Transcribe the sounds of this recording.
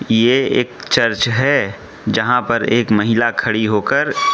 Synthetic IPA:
jeeːk̚t͡ʃəɾt͡ʃɦɛ | d͡ʒɐɦãpɐɾeːkmɐɦɪlakʰɐɽiɦoːkəɾ

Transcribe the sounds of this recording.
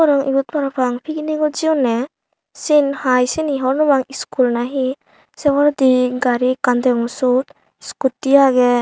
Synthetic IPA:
ɔɾɯŋḭbut̪̚paɾapʰaŋpʰiɡiniɡɔd͡ʒiɔne | sinhajsiniɦɔɾnɔbaŋiskulnaɦi | seβaɾd̪iɡaɾikand̪eŋusut | iskutijaɡe

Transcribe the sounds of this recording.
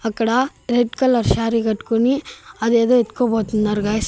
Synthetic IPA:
ɐkːɐɽɐɾeɖkɐlɐɾʃaːɾikɐʈkoniɐd̪eːd̪oːit̪kobɐːt̪unnɐɾɡas

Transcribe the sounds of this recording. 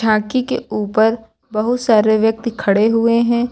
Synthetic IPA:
ʃʰaːkikeuːpəɾ | bɐɦʊt̪saːɾeʋjɐk̚t̪kʰɐɽeɦʊeɦɛ̃ː

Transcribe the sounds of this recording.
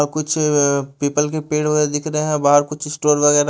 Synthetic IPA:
ɾkʊt͡ʃʰpiːpəlk̬epeːɽʋɐɣɛːɾed̪ɪkʰɾɐɦeɦɛ̃baːɦəɾkʊt͡ʃʰɪsʈoːɾʋɐɣɛːɾ

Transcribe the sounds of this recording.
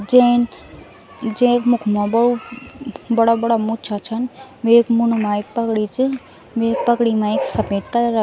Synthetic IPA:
d͡ʒẽn | d͡ʒẽkmʊkʰmãbɐɽu | bɐɽabɐɽamʊt͡ʃʰat͡ʃʰənʋekmʊnmãek̚pɐkɽit͡ʃɨ | ʋek̚pɐkɽimãeksɐpeːʈ̚kɐɾə

